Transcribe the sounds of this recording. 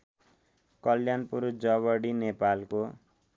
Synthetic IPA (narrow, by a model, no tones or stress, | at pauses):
kʌljanpuɾd͡zʌβʌɽinepalko